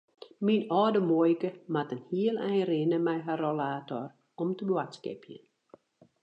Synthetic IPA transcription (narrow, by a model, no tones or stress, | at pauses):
minɔːdəmojkəmatənhiəlˠɛjrɪnəmɛjɦarolaːtɔ̰r | ɔmtəbwatskɪ̰pʰjə̰n